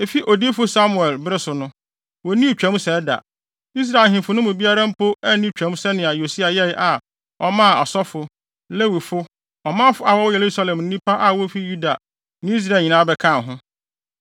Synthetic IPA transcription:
e˨fi˦ʔo˨di˦fʊ˦sa˦mʊ˨ɛ˨lbɾɪ˦sʊ˨nʊ̃˦ | wɔ˨˦nĩ˦˨t͡ɕᶣã˦m˦sɛ˨˦da̰˨ | i˦s̬ɾa˨ɦɪ̃˨fʊ˨˦nʊ̃˦mʊ̃˨bi˦a˦ɾã˦m̩˦pʰo˦ɛ˦nĩ˦˨t͡ɕᶣæ̃˨˦m˦sɛ˦nɪ̃˨a˨jo˨si˦a˨jɛ˦ʔa˨ | ɔ˦mã˦˨ɔ̰˨sɔ˦fʊ˨ | le˦wi˨fʊ˦ | ɔ˨mã˦fʊ˦a˨wɔ˦je˨ɾu˦sa˦lɛ̃˨mn̩˦ĩ˦pʰa˦ʔa˨wo˦fi˦ju˦da˨ | nɪ̃˦i˦s̬ɾa˦˨ɲĩ˨nã˦bɛ˦kʰã˦˨ɦʊ̃˦

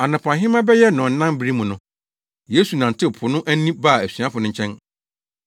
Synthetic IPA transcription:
a˨nʊ̃˨pʰã˨nɦɪ̃˦mã˦bɛ˦jɛ˦nʊ̃˨n̩˦nã˦mbi˦ɾi˦mũ˨nʊ̃˦ | je˨˦su˨nã˨n˨tʰɪ˦˨pʰʊ˨nʊ̃˦ʔæ˦nĩ˦ba˦˨æ˨sɥã˦fʊ˨nʊ̃˦ɲ̩˦t͡ɕʰɛ̃˦n

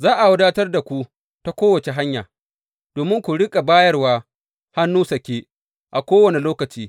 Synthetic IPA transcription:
zaː˦ʔa˨wʊ˦daː˦tɐ˦rda˨kʷu˦ | ta˦kʷoː˦wɐ˨t͡ʃe˨ɦa˦ɲja̰ː˨ | d̥oː˨mɪ˦ŋkʷu˨ɽɪ˦kʼa˨baː˦jɐ˦rwaː˦ | ha˦nːuː˦sɐ˨kʲeː˦ | ʔa˨kʷoː˦wɐ˨ne˨loː˦kɐ˨t͡ʃiː˦

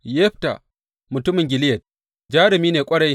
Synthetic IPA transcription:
jɛ˦ɸta̰˨ | mʊ˨tʊ˦mɪ˨ŋɡʲɪ˨lɪ˦jɐ˨t̚ | d͡ʒaː˦ɾɪ˨miː˦neː˨kʷʼɐ˦ɽɐ˦j

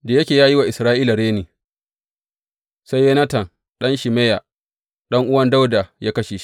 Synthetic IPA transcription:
da˨jɐ˦kʲeː˨jaː˦ji˦wa˨ʔɪ˨sɾaː˦ʔiː˦la˨ɽeː˦niː˨ | sa˦jːe˦nɐ˦tɐ˨n | ɗɐ˦nʃɪ˨meː˦ja˨ | ɗɐ˦ŋʔʊ˦wɐ˦nda˦wda˨jaː˦kɐ˦ʃeː˨ʃi̥˦

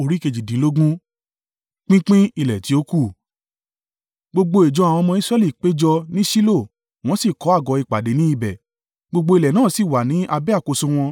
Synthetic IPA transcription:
o˨ɾi˦ke˧d͡ʒi˨dĩ˨˦lo˦ɡũ˦ | k͡pĩ˦k͡pĩ˦i˧lɛ˨ti˨˦o˦ku˦˨ | ɡ͡bo˧ɡ͡bo˧e˨d͡ʒɔ˧a˨w̃ɔ̃˧mɔ̃˧i˦sɾɛ˦li˦˨k͡pe˨˦d͡ʒɔ˧nĩ˦ʃi˦lo˦˨ | w̃ɔ̃˦si˦˨kɔ˨˦a˦˨ɡɔ˨˧i˧˨k͡pa˨de˨˦nĩ˦i˦˨bɛ˨ | ɡ͡bo˧ɡ͡bo˧i˧lɛ˨nãː˦˨si˨wa˨nĩ˨˦ʔa˧bɛ˦a˦˨ko˧sũ˧w̃ɔ̃˧

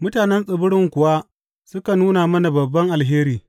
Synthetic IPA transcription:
mʊ˦taː˨nɛ˦nsʼɪ˨bʊ˦ɽɪ˨ŋkʷʊ˨wa˦ | sʊ˦ka˨nuː˦naː˨mɐ˦na˨bɐ˨bːɐ˦ŋʔa˨lɦeː˦ɾiː˨

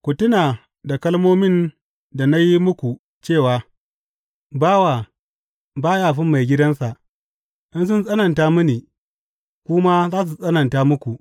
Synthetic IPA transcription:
kʷʊ˨tʊ˦naː˨ | da˨kɐ˦lmoː˦mɪ˦n | da˨na˦ji˦mʊ˦kʷu˨ | t͡ʃeː˦˨waː˨ | baː˦wa˨ | baː˦jaː˦˨ɸɪ˦mːa˨jɡʲɪ˦dɐ˦nsa˨ʔ | ʔɪ˦ns̬ʊ˦nsʼɐ˦nɐ˨ntaː˦mɪ˦niː˨ | kʷʊ˦ma˦zaː˦s̬u˨sʼɐ˦nɐ˨ntaː˦mʊ˦kʷu˨

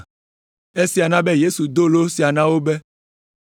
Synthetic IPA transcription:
e˦si˨a˨nã˦be˦je˦su˨d̪o˦lo˦si˨a˨nã˦wo˦be˦

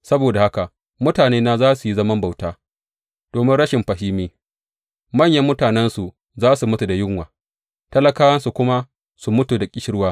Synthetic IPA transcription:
sɐ˦boː˨da˨ha˦ka˨ʔ | mʊ˦taː˨neː˦na˦zaː˦su˨ji˦zɐ˦mɐ˦mba˨wtaː˦ | d̥oː˨mɪ˦nɽɐ˦ʃɪ˨mɸɐ˨ɦiː˦miː˦ | mɐ˦˨ɲjɐ˨˦mːʊ˦taː˨nɛ˦nsu˨ | zaː˦su˨mʊ˦tu˨da˨jʊ˦ŋwaː˨ | tɐ˦lɐ˦kaː˦wɐ˦nsu˨kʷʊ˦ma˦ | su˨mʊ˦tu˨da˨kʲʼɪ˦ʃɪ˦ɽwaː˦

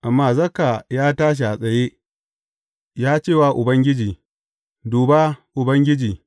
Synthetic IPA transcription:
ʔa˨mːaː˨zɐ˦ka˨jaː˦taː˦ʃ̬i˨ʔa˨sʼɐ˨jeː˦ | jaː˦t͡ʃeː˦˨waː˨ʔʊ˨bɐ˦ŋɡʲɪ˦d͡ʒiː˨ | duː˨ba˦ʔʊ˨bɐ˦ŋɡʲɪ˦d͡ʒiː˨

